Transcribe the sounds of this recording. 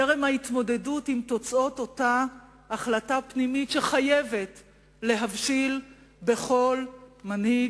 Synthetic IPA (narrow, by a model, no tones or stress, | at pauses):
eʁemhait̪mo̞de̞dutimto̞t͡sʔo̞to̞taː | χlatapnimitʃeχaje̞ve̞t | le̞ɦavʃil | be̞χo̞lmanhi